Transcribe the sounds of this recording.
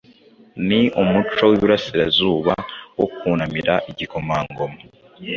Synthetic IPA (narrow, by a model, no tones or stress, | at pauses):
niumut͡ʃo̞wiβuɾasiɾazuːβawo̞kuːnamiɾaʔiɟiko̞maːŋɡo̞mo